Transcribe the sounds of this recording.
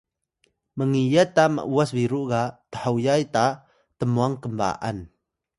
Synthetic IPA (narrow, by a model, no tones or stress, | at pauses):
məŋijat̪amə̰ʔuasviɾuɡat̪əħajajta | t̪əmuaŋkəmba̰ʔa̰n